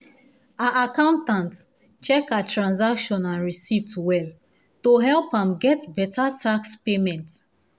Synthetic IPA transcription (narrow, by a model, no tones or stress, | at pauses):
aʔakãʊ̃ntãnt | t͡ʃɛkatɹãnzakʃɔ̃nãnɹisivtwɛl | toɦɛlpãmɡɛtbɛtʰatakspemɛ̃nt